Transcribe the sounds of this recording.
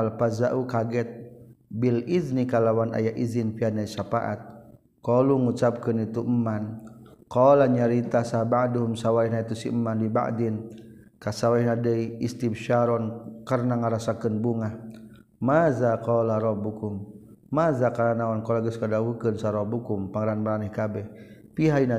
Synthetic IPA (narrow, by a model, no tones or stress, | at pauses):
alpazaʔukaɡɛt̪̚biliznikalawana̰jaʔizinfianaisapaʔa̰t̪̚ | kɔluŋut͡ʃap̚kənit̪uəmːankɔlaɲaɾit̪asabaʔduɦumsawaiɦnait̪usiəmːandiba̰ʔdin | kasawaihnadəiist̪ibʃaɾɔnkarnaŋaɾasakənbuŋah | mazakɔlaɾɔbukum | mazakalanawankɔlaɡəskadawukənsaɾɔbukumpaŋəɾanmaɾanɛhkabɛhpiɦaina